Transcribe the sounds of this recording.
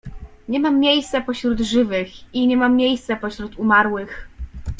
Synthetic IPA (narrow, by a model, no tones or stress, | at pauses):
ɲɛmamːjejst̪sɛpɔɕɾud̪ʐɘvɘxiɲɛmamːjejst̪sapɔɕɾut̪umaɾwɘx